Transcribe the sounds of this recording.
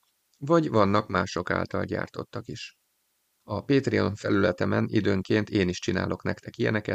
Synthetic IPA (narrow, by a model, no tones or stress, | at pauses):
vɒɟvɒnːɒkmaːʃo̞ka̰ːlt̪ɒlɟa̰ːrt̪o̞t̪ːɒkiʃ | ɒpeːt̪rionfɛlylɛt̪ɛmɛnḭd̪øːŋkeːnt̪eːniʃt͡ʃina̰ːlʔo̞knɛkt̪ɛkijɛnɛkɛt̪